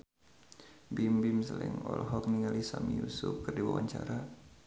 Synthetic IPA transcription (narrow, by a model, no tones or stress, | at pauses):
bimbimsəlɛŋɔlɦɔk̚niŋalisamijusʊp̚kɨrdiwawaɲt͡ʃaɾa